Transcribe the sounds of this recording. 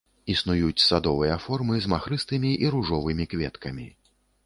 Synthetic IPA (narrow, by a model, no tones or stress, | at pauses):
isnujut͡sʲsad̪ɔvɨjɐfɔrmɨzmaxɾɨst̪ɨmʲiʔiɾuʐɔvɨmʲikvʲɛt̪kɐmʲi